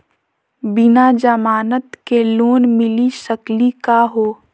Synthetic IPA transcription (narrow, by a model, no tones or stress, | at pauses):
bɪnad͡ʒəmaːnət̪keloːnmɪliʃəklikaɦoː